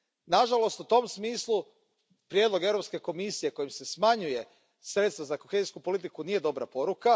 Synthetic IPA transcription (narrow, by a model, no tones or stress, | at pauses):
naʒalo̞st̪ut̪o̞msmiːslˠu | pɾjed̪lo̞ɡevɾopske̞ko̞misije̞ko̞jmse̞smaɲuje̞ | sɾet̪st̪ʋazako̞xeziskupo̞lit̪̬ikunije̞d̪o̞bɾa̰po̞ɾuka